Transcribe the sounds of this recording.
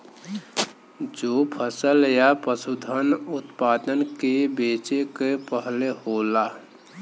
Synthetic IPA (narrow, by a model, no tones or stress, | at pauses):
d͡ʒopʰəsəljapəsud̪ʱənʊt̪paːd̪ənkebeːt͡ʃekepəɦlehola